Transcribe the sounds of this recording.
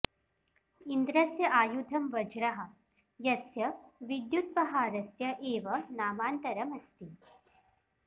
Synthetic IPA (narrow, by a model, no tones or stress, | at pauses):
ind̪ɾɐsjɐʔaːjud̪ʱɐmʋɐd͡ʒɾɐɦɐ̆ | jɐsjɐʋid̪jut̪̚pɐɦaːɾɐsjɐʔeːʋɐnaːmaːnt̪ɐɾɐmɐst̪i